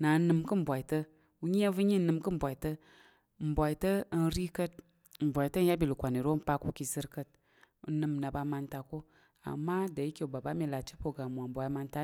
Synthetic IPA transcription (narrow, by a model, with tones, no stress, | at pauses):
na˨˦nɨ˧mkɨ˦m̩˨bʷa˨i˨tə˦ | u˦ɲi˦a˦vɨ˦ɲi˦nɨ˨mkɨ˦m̩˨bʷa˨i˨tə˦ | m̩˨bʷa˨i˨tə˦nɾi˦kə˦t̚ | m̩˨bʷa˨jtə˦n̩˦ja˦bi˨lu˨kʷa˨ni˨ɾo˦pa˦ku˦ki˧zɨ˦ɾkə˦t̚ | u˨˦nɨ˧m˨na˨ba˧ma˧nta˨ko˦ | a̰˨mːa˦da˨i˦kʲe˨u˨ba˨ba˦mi˧la˨t͡ʃi̥˦po˨ɡa˨mʷ˨a˨m̩˨bʷa˨ji˨˦ma˧nta˦